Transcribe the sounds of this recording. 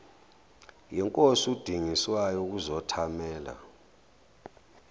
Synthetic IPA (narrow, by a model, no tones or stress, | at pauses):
jɛŋkʼosud̥ʱiŋiswajɔk̬uzɔtʰamɛːla̰